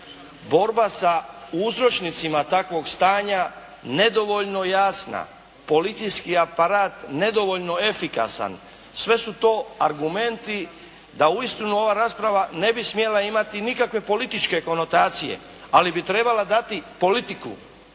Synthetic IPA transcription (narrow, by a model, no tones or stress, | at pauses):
bo̞ɾbasauzɾo̞t͡ʃnit̪simat̪akʋo̞ɡst̪aːɲa | ne̞d̪o̞ʋo̞ʎno̞jaːsna̰ | po̞lit̪sijskiapaɾaːt̪ne̞d̪o̞ʋo̞ʎno̞e̞fika̰sa̰n | sʋe̞sut̪o̞ːaɾɡume̞nt̪i | d̪auist̪inuo̞ʋaɾaːspɾaʋane̞bismije̞laimat̪inikakʋe̞po̞lit̪it͡ʃke̞ko̞no̞t̪aːt̪sijḛ | alibit̪ɾe̞balad̪at̪ipo̞lit̪ikṵ